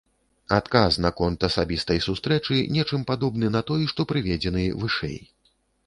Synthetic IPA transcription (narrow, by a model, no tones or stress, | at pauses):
at̪kaznɐkɔnt̪ɐsabʲist̪ɐjsust̪ɾɛt͡ʂɨnʲɛt͡ʂɨmpad̪ɔbnɨnɐt̪ɔjʂt̪ɔpɾɨvʲɛd͡zʲɛnɨvɨʂɛ̰j